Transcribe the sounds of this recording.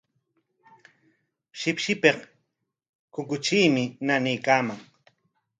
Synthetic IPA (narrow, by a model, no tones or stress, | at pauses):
ʃɪpʃɪpeq | kʊkʊt͡ʃiːmɪnanɪjkaːmaŋ